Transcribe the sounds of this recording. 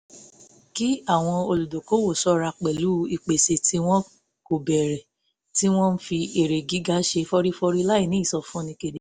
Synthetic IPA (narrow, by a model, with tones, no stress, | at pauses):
ki˦a˦˨w̃ɔ̃˧o˧lu˨do˨ko˨˦wo˦˨sɔ˦ɾa˧k͡pɛ˨lu˨˦i˧˨k͡pe˨se˧tʰi˦w̃ɔ̃˦ | ko˨bɛ˨ɾɛ˨ | ti˦w̃ɔ̃˦n̩˦fi˧e˨ɾe˨ɡi˨˦ɡa˦ʃe˧fɔ˧ɾi˦fɔ˧ɾi˦la˦i˦˨nĩ˨˦˨sɔ˨fũ˨˦nĩ˧ke˧de˦